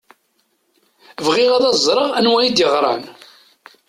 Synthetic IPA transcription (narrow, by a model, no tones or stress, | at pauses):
vʁɪʁæðɑzˤɾˤəʁænwæjid̪jəʁɾˤɑ̰n